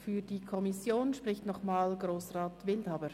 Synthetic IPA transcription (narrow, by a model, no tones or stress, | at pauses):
fyːdiːkʰɔmɪsjoːnʃprɪçtnɔχmaːlɡroːsʁaːtvɪldhaːbəɾ